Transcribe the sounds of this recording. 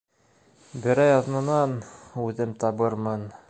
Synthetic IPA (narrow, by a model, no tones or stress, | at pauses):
bɘ̆ɾæjɑðnɤ̆nɑnʉðɘmt̪ɑβɤɾmɤn